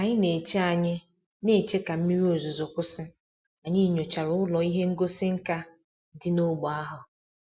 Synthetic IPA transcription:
a˨ɲɪ˦ne˨t͡ʃe˦a˨ɲɪ˦ | ne˨t͡ʃe˦ka˨m̩˦mi˦ɾi˦o˨zu˨zo˨kʷʊ˦sɪ˦ | a˨ɲi˦ɲo˨t͡ʃa˨ɾʊ˦ʊ˦lɔ˨i˦ɦe˦ŋ̩˦ɡo˦sɪ˦ŋ̩˦ka˦ | dɪ˦no˦ɡ͡bɔ˨a˦ɦʊ˨

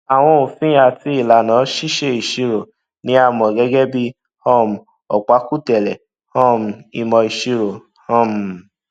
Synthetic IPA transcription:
a˨w̃ɔ̃˧o˨fĩ˦a˧˨ti˧˦i˦˨la˨nã˨˦ʃi˦ʃe˦i˨ʃi˧ɾo˨ | nĩ˨˦a˧˨mɔ̃˨ɡɛ˦ɡɛ˦bi˦ | hɔ˦˨m˨ | ɔ̰˨k͡pa˨˦ku˦tɛ˨lɛ˨ | hɔ̃˦˨m˨i˨mɔ̃˧i˨ʃi˧ɾo˨ | hɔ̃˦˨m˨

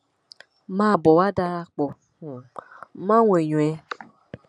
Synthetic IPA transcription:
mã˦˨bɔ˨wa˦da˦la˦k͡po˨ | mã˦ŋʷ˨e˨ɲũ˨ɛ˨˦

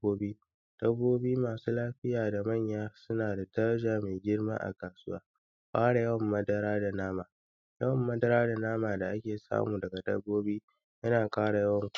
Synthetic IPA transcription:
oː˦biː˦ | d̥ɐ˦bːoː˦biː˦maː˨suː˦laː˦ɸɪ˦jaː˨da˨mɐ˦˨ɲjaː˦sʊ˦naː˨da˨tɐ˦ɾɐ˦ʒaː˨me˨ɡʲɪ˦ɽma̰ː˦ʔa̰˨kaː˨sʊ˦wa̰ː˦ | ɸʼaː˦ɽa˨jɐ˦wɐ˨mːɐ˦dɐ˦ɾaː˦da˨naː˦maː˨ | jɐ˦wɐ˨mːɐ˦dɐ˦ɾaː˦da˨naː˦maː˨da˨ʔa˦kʲeː˨sa̰ː˦muː˨dɐ˨ɡa˨dɐ̰˦bːoː˦biː˦ | jɐ˦naː˨kʼaː˦ɽa˨jɐ˦wɐ˨ŋkʷ

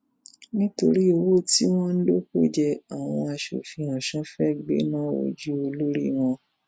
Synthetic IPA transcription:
nĩ˦to˧ɾi˦o˧wo˦˨ti˦w̃ɔ̃˦n̩˦lo˦ko˦˨d͡ʒɛ˧a˨w̃ɔ̃˧a˧ʃo̰˨fĩ˧ã˨ʃã˨˦fɛ˦˨ɡ͡bḛ˦nã˦˨wo̰˨d͡ʒu˦o˧lo˦ɾḭ˦w̃ɔ̃˧

